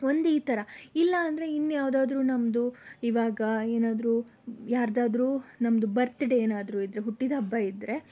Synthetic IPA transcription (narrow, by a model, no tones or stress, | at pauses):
o̞nd̪iːt̪ɐɾɐilːɐːnd̪ɐɾe̞inːjaːʋd̪aːd̪ɾuːnɐmd̪uiʋaːɡɐeːnaːd̪ɾuː | jaːɾd̪aːd̪ɾuːnɐmɐd̪ubɐɾt̪iɽeeːnaːd̪ɾuːid̪ɾe̞ɦuʈːid̪ɐbːɐid̪ɾe̞